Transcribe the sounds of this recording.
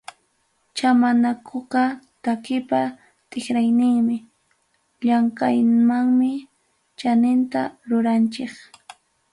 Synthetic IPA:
t͡ʃamanakʰoqɑt̪akɪpa | t̪ʼɪχɾajnɪŋmɪ | ʎaŋkajmaŋmɪ | t͡ʃanɪnt̪aɾʊɾant͡ʃek

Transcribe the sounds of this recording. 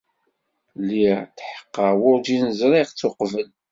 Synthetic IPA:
lit̪ħə̥qːəwʊɾd͡ʒinəzɾiʁt͡sːʊqvəl

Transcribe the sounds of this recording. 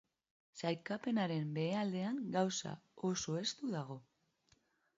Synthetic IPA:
sajkape̞naɾe̞mbe̞eald̪e̞aŋɡawsa̰o̞so̞e̞st̪uðaɣ̞o̞

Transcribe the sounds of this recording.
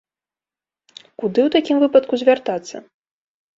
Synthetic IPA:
kud̪ɨwt̪akʲimvɨpɐt̪kuzʲvʲart̪at̪sːɐ̰

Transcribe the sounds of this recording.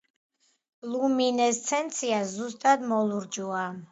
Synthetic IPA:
luminɛst̪sʰɛnt̪sʰiazust̪ʼad̪mɔlˠuɾd͡ʒua

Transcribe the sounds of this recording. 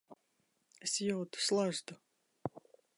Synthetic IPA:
esjɔwt̪u̥slˠaʒd̪u

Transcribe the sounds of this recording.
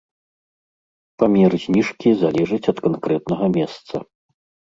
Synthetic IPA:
pamʲɛɾzʲnʲiʂkʲizalʲɛʐɨt͡sʲɐt̪kankɾɛt̪nɐɣɐmʲɛst̪sɐ̰

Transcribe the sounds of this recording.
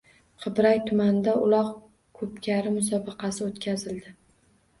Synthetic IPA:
qʰɨbɾajt̪ʰʊmand̪aʊlˠɒq | kʰɵp̚kʲʰaɾɪmʊs̬ɒbɨqɑsɪot̪kʲʰazɪld̪ɪ

